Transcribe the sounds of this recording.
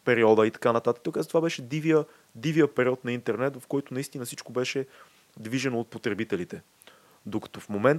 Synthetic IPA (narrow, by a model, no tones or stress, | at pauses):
pɛɾiɔd̪əit̪ɐ̥kanɐt̪at̪ək̪okazət̪ovabɛʃɛd̪iviə | d̪ivijəpɛɾiɔt̪nɐint̪ɛɾnɛt̪vɐfkɔjt̪onɐist̪inəsit͡ʃkobɛʃɛ | d̪viʒɛnoːt̪̚pot̪ɾɛbit̪ɛlit̪ɛ | d̪okɐ̥t̪ɔfmomɛn